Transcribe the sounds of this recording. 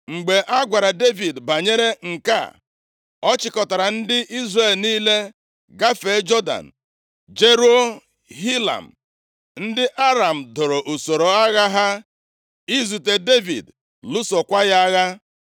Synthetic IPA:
ŋ͡m̩˨ɡ͡be˨ʔa˦ɡʷa˨ɾa˨de˦vi˨dba˨ɲe˦ɾe˦ŋ̩˨ka̰˦˨ | ɔ˦t͡ʃɪ˨kɔ˨ta˨ɾa˨n̩˦dɪ˦ʔi˦zre˦˨lniː˦le˦ | ɡa˦fe˨˦d͡ʒɔ˦da̰˨n̩˨ | d͡ʒe˦ɾu˦o˦ | ɦi˦la̰˨m̩˨ | n̩˦dɪ˦ʔa˦ɾa˨m̩˨do˨ɾo˨ʔo˨so˨ɾo˨a˦ɣa˦ɦa˦ | i˦zu˨te˨de˦vḭ˨d | lu˦so˨kʷa˦ja˦ɣa˦

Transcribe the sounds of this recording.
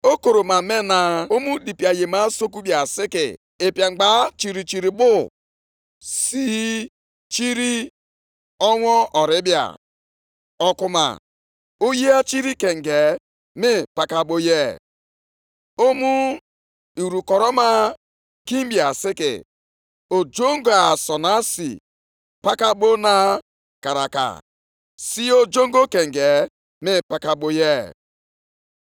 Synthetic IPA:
o˦ko˨ɾo˨ma˨me˦na˨o˦mu˦di˨pi˨a˨je˨ma˦so˦ku˦bja˨sɪ˦kɪ̰˨ | e˨pja˨ŋ͡m̩˨ɡ͡ba˨˦t͡ʃi˨ɾi˨t͡ʃi˨ɾi˨bʊ˦ | si˦ | t͡ʃi˦ɾi˦ | ɔ˦ŋʷɔ˦ʔɔ˨ɾɪ˦bja̰˨ | ɔ˨kʊ˨ma̰˨ | o˦je˦a˦t͡ʃi˦ɾi˦ke˨ŋ̩˨ɡe˨ | mɪ˦pa˨ka˨bo˨je˦ | o˦mu˦ | i˨ɾu˨kɔ˨ɾɔ˦ma˦ | ki˦m˦bja˨sɪ˦kɪ̰˨ | o˨d͡ʒo˦ŋ˦ɡo˨a˨sɔ˨na˦sḭ˨ | pa˦ka˦ɓo˦na˦ | ka˨ɾa̰˨ka̰˨ | si˦o˦d͡ʒo˦ŋɡo˦ke˨ŋ̩˨ɡe˨ | mɪ˦pa˨ka˨ɓo˦je˦

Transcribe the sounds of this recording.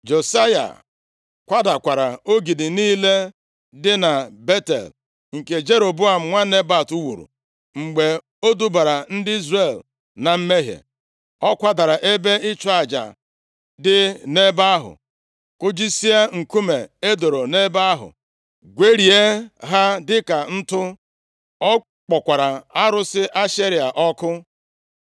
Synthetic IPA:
d͡ʒo˨sa˦ja̰˨ | kʷa˦da˨kʷa˨ɾa˨o˦ɡi˨dɪ˨niː˦le˦ | dɪ˦na˨be˦tḛ˨l | ŋ̩˨ke˨d͡ʒe˦ɾo˨bʊ˦a˨m̩˨ŋʷa˦ne˦ba˨tu˦wu˨ɾṵ˨ | ŋ͡m̩˨ɡ͡be˨ | o˦du˦ba˨ɾa˨n̩˦dɪ˦i˦zre˨l | na˨m̩˦me˦ɦjḛ˨ | ɔ˦kʷa˦da˨ɾa˨ʔe˦be˦ɪ˦t͡ʃɔ˦a˨d͡ʒa̰˨ | dɪ˦ne˦ba˦a˦ɦʊ̰˨ | kʊ˦d͡ʒi˦si˦a˦ŋ̩˨ku˦me˨e˦do˨ɾo˨ne˦ba˦a˦ɦʊ̰˨ | ɡʷe˦ɾi˨e˦ɦa˦dɪ˦ka˨n̩˦tʊ˦ | ɔ˦ | k͡pɔ˨kʷa˨ɾa˨a˦ɾʊ˦sɪ˦ʔa˦ʃe˦ɾi˨a˨ʔɔ˦kʊ˦

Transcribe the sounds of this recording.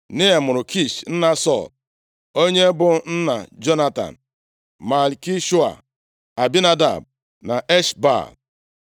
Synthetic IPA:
ne˦e˨mʊ˨ɾʊ˨ki˦ʃn̩˦na˦sɔ̰˦˨l | o˦ɲe˦bʊ˦n̩˦na̰˨d͡ʒo˦na˦ta̰˨n̩˨ | ma˨lki˦ʃu˦a̰˨ | a˨bi˦na˦da̰˨b̚ | na˨ʔe˦ʃba̰˦˨l

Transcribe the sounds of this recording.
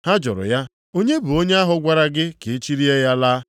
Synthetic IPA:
ha˦d͡ʒɔ̰˨ɾʊ̰˨ja˦ | o˦ɲe˦bu˨o˦ɲe˦a˦ɦʊ˨ɡʷa˦ɾa˦ɡɪ˦ke˨e˦t͡ʃi˦ɾi˦e˦ja˦laː˦

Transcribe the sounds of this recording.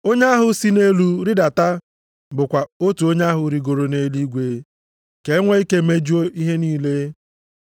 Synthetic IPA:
o˦ɲe˦a˦ɦʊ˨si˦ne˦lu˦ɾi˦da˨ta˦ | bʊ˨kʷa˨o˦tu˨o˦ɲe˦a˦ɦʊ˨ɾi˨ɡo˨ɾo˨ne˦li˦ɡʷe˨˦ | ke˨˦ŋʷe˦i˦ke˦me˦d͡ʒu˦o˦ʔi˦ɦe˦niː˦le˦

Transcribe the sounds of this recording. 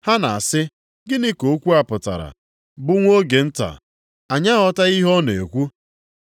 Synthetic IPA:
ha˦na˨a˨sɪ˦ | ɡɪ˦nɪ˦ko˨˦kʷu˦a˨pʊ˨ta̰˨ɾa̰˨ | bʊ˦ŋʷo˦ɡe˨n̩˦ta̰˨ | a˨ɲa˦ɔ˦ta˦i˦ɦɔ˦ne˨kʷu˦

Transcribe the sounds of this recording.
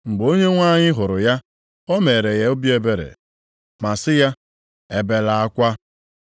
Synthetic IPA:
ŋ͡m̩˨ɡ͡bo˦ɲe˦ŋʷa˦ɲɪ˦ɦʊ˨ɾʊ˨ja˦ | ɔ˦me˨ɾe˨ɣe˨˦o˦bje˦be˦ɾḛ˨ | ma˨sɪ˦ja˦ | e˨be˨la˨a˦kʷa˦

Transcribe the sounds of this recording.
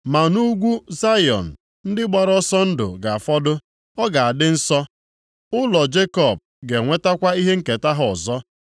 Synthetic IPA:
ma˨nu˦ɡʷu˦za˦jɔ̰˨n̩˨ | n̩˦dɪ˦ɡ͡ba˨ɾɔ˦sɔ˦n̩˦dʊ̰˨ɡa˨a˨fɔ˦dʊ˦ | ɔ˦ɡa˨a˨dɪ˦n̩˦sɔ˦ | ʊ˦lɔ˨d͡ʒe˦kɔ˨b̚ | ɡe˨ŋʷe˦ta˦kʷa˦i˦ɦe˦ŋ̩˦˨ke˨ta˦ɦɔ˨ɔ˨zɔ˦

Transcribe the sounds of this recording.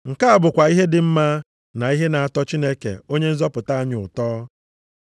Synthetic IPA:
ŋ̩˨ka˦a˨bʊ˨kʷa˨i˦ɦe˦dɪ˨m̩˦ma˦ | na˨i˦ɦe˦na˨a˨tɔ˦t͡ʃi˦ne˦kḛ˨o˦ɲe˦n̩˦zɔ˦pʊ˨ta˦a˦ɲʊ˨ʊ˨tɔː˦

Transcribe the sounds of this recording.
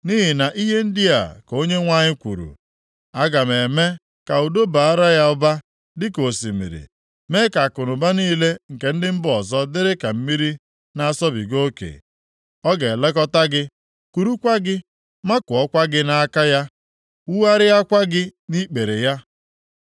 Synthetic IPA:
ni˦ɦɪ˨na˨ʔi˦ɦe˦n̩˦dɪ˦a̰˨ko˦ɲe˦ŋʷa˦ɲɪ˦kʷṵ˨ɾṵ˨ | a˦ɡa˨me˨me˦ | ka˨u˨do˦ba˨a˦ɾa˦ja˦ʊ˦ba˦ | dɪ˦ko˨sḭ˨mḭ˨ɾḭ˨ | me˦ka˨a˨kʊ˨nʊ˨ba˦niː˦le˦ŋ̩˨ke˨n̩˦dɪ˦m̩˦bʊ˦ɔ˨zɔ˦dɪ˦ɾɪ˦ka˨m̩˦mi˦ɾi˦ | na˦a˦sɔ˦bḭ˨ɡo˦kḛ˨ | ɔ˦ɡe˨le˦kɔ˦ta˦ɡɪ˦ | ku˨ɾu˦kʷa˦ɡɪ˦ | ma˦kʊ˨ɔ˦kʷa˦ɡɪ˦na˦a˦ka˦ja˦ | u˦wa˦ɾɪ˦a˦kʷa˦ɡɪ˦ni˦k͡pe˨ɾe˨ja˦

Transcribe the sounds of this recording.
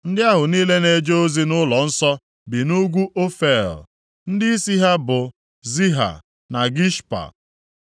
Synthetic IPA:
n̩˦dɪ˦a˦ɦʊ˨niː˦le˦ne˨d͡ʒo˦o˦zi˦nʊ˦lɔ˨n̩˦sɔ˦ | bi˨nu˦ɡʷu˦ʔo˦fe˦˨l | n̩˦dɪ˦i˦si˦ɦa˦bʊ˨ | zi˦ɦa̰˨ | na˨ɡi˦ʃpa̰˨

